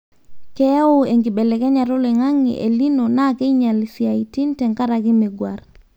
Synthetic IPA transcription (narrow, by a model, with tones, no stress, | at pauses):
kɛ˦ʊ˦e˨ŋɡi˨ɓɛ˨lɛ˨kɛ˦ɲa˨ɾo˦lɛ˨ŋa˦ŋḭ˨ʔe˨li˦no˨na˦ke˦iɲa˨li˨si˨a˨i˨ti˦ntɛ˨ŋka˦ɾa˨kɪ˦mɪ˨ɡwa̰˨r